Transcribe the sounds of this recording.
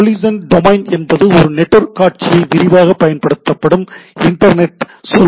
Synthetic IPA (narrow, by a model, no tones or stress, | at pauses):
liːsɐnɖɔmɐɪnɛnbɐðɯɔɾɯnɛʈːɔɾkaːʈ̚t͡ʃɪjɐɪʋɪɾɪʋaːɣɐpːɐjɐnpɐɽɯt̪ːɐpːɐɽɯmɪɳʈːɐɾnɛʈ | sɔl